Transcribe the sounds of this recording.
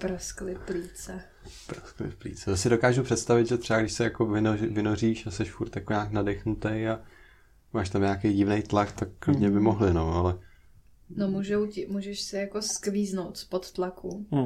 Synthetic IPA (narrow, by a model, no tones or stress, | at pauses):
pɾosklɪfpliːt͡sɛ | pɾosklɪ̰fplḭːt͡sɛt̪asɪdo̞kaːʒupr̥ɛt̪st̪avɪd̪ʒɛt̪r̥ɛbaɡdɪʃsɛjako̞vɪnovɪnoriːʃasɛʃfuɾt̪jakoɲaːknadɛxnut̪eja | maːʃt̪amɲaːkejɟɪvnejt̪lakt̪akːlɲɛbɪmoɦlɪnoʔalɛ | nomuːʒɛwcɪmuːʒɛʃsɪjakoskviːznowt̪spot̪t̪laku